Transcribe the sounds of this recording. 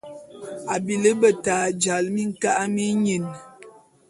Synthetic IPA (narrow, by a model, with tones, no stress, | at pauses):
a˨bi˨lə˦bə˨taː˨d͡ʒa˨lmi˦ŋ̩˨ka˦ʔmi˦ɲi˨n